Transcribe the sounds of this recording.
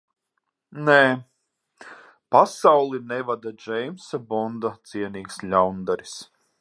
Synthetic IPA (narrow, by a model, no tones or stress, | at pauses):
nɛː | pasawlˠinɛvad̪ad͡ʒɛjmsabɔnd̪at̪siɛniːkslʲawnd̪aɾis